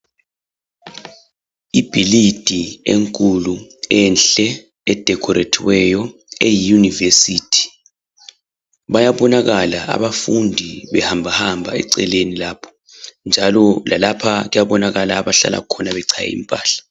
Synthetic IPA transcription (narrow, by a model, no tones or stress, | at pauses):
ib̥ʱilid̥ʱieŋkʼuluɛnɬɛ | ɛd̥ʱɛkʰɔɾetʰiwɛjɔ | ejijunivesitʰi̥ | βajaβɔnaɣalaʔa̰βafundʱiβɛhambʱahambʱaɛ̰ǀɛlenilaːpʰɔ̥ | nd͡ʒʱalɔlʔalapʰaɣujaβɔnaɣalaːβaɬa̰la̰ukʰɔnaβɛǀʰajɛ̰ḭmpʼaːɬḁ